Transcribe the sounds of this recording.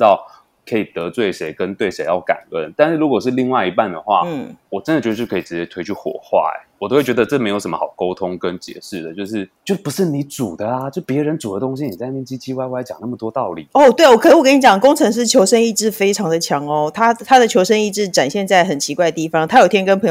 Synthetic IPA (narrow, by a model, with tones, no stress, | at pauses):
t̪ɑ˥˩ʊ | kʰɤ˧˥i˨˩t̪ɤ˧˦t͡swe˥˩ɪʂe˧˥ɪkə˦nt̪we˥˩ɪʂe˧˥ɪjɑ˥˩ʊka̰˨˩nə̰˥˧nt̪a˥˧nʂɻ̩˥˩ɻu˧˥kwɔ˨˩ʂɻ̩˥˧li˥˧ŋwa˥ɪi˧˥pa˥˩nd̪ə˩xwa̰˥˩wɔ˨˩ʈ͡ʂə˦ndə˨t͡ɕo˧˥˧t͡ɕkʰi˨˩ʈ͡ʂɻ̩˧˥t͡ɕjɛ˧˥t̪ʰwe˧˥ɪt͡ɕʰy˥˩xwɔ̰˨˩xwa̰˥˩wɔ˨˩o˥we˥˩t͡ɕɥɛ˧d̪ə˧ʈ͡ʂɤ˥˩me˧˥ɪjʂə˧˦mə˧xɑ˨˩ʊko˥ʊt̪ʰʊ˦˥ŋkə˦nt͡ɕjɛ̰˨˩ʂɻ̩˥˩d̪ə˩t͡ɕjo˥˧ʊʂ̬ɻ̩˥˩t͡ɕjo˥˧˩ʊpu˧˦˥ʂɻ̩˥˩ni˨˧˦ʈ͡ʂu˨˩d̪ə˦a˧t͡ɕjo˥˧˩pjɛ˧˥ɻə˧˦nt͡su˨˩d̪ə˦t̪ʊ˥ŋɕ̬i˧˥ni˨˩t͡sa˥˧ɪmi˥˩nt͡ɕi˥t͡ɕʰi˥wa˧˥ɪwa˧˥ɪt͡ɕjɑ̰˨˩ŋna˥˩mə˨t̪wɔ˥t̪ɑ˥˩ʊli˨˩ɔ˥˨˩t̪we˥˩ɪwɔ˨˩kʰwk̬ə˥ni˧˥t͡ɕjɑ˨˩ŋə˩kʊ˥ŋʈ͡ʂʰɤ˧˥ŋʂ̬ɻ̩˥˩t͡ɕʰjo˧˥ʊʂə˥ni˥˧ʈ͡ʂɻ̩˥˩fe˥ɪʈ͡ʂʰɑ˧ŋd̪ə˨t͡ɕʰjɑ˧˥ŋɔ˧˦t̪ʰa˥t̪ʰa˥d̪ə˨t͡ɕʰjo˧˥ʊʂə˥ni˥˧ʈ͡ʂɻ̩˥˩ʈ͡ʂa˨˩nɕjɛ˥˧nt͡sa˥˩ɪxə˨˩nt͡ɕʰi˧˥kwa˥˩ɪə˩t̪i˥˩fɑ˨˦ŋt̪ʰa˥jo˨˩t̪ʰjɛ˥ŋkə˥npʰɤ˧˥